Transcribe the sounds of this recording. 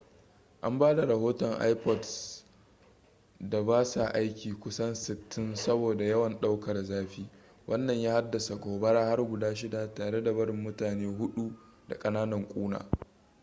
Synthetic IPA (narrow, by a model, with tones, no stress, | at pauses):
ʔa̰˦mbaː˦da˨ɾɐ˨hoː˦tɔ˨ŋʔa̰˦jpɔ˨d | da˨baː˦sa˨ʔa˦jkʲiː˨kʷʊ˦sɐ˦nsɪ˨tːɪ˦nsɐ˦boː˨da˨jɐ˦wɐ˨nɗa˦wkɐ˨rzaː˦ɸiː˦ | wʔɐ˦nːɐ˨ɲjaː˦ha˦dːa˨sa˨ɡoː˨bɐ˦ɽaː˦ha˦rɡʷʊ˨daː˦ʃ̬ɪ˦da˨taː˨ɽe˦da˨bɐ˦ɾɪ˨mːʊ˦taː˨neː˦ɦʊ˦ɗu˦ | da̰˨kʼɐ˦naː˦nɐ˨ŋkʷʼuː˦na̰ː˨